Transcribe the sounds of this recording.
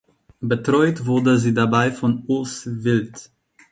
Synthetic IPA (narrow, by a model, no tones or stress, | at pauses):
bətʁ̥ɔʏtv̥ʊɐdəziːdabaɪfɔnʊlsvɪlt